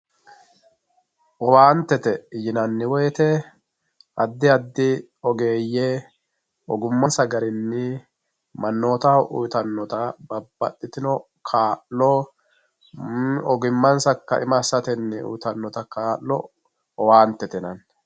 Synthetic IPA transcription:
ʔɔwaːnt̪ɛt̪ɛjɪnɐnːɪwɔjt̪ɛ | ʔɐd̪ːɪɐd̪ːɪ | ɔɡeːjːe | ʔɔɡʊmːɐnsɐɡɐɾɪnːɪ | mɐnːo̞ːt̪ɐʔṵjt̪ɐnːɔt̪ɐbɐbːɐ̰tːɪt̪ɪnɔ | kʰaːʔːɔ | ɔɡɪmːɐnsɐkːɐ̰ʔɪmɐːsɐt̪ɛnːɪṵjt̪ɐnːɔt̪ɐkaːʔːɔ | ɔwaːnt̪ːɛt̪ɛnɐn

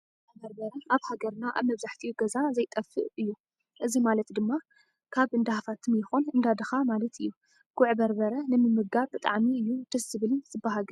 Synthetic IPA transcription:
bɐɾbɐɾɐʔaβhaɡɐɾnaʔa̰βmɐβzaħt̪ʰiɡɐzazɐjt̪ʼɐfːɨʔɨjːu | ʔɨzimalɐt̪d̪ɨmːa | kʰaβʔɨnd̪ahafat̪ʰɨmjɪxonɨnd̪ad̪ɨxamalɐt̪ʰɨ̰jːu | ɡ̥ʰʊʕbɐɾbɐɾɐnɨmɨmːɨɡaɾbɨt̪ʼa̰ʕmiɨjːut̪ʰɐsɨβɨlɨnsɨbaɦaɡɐ

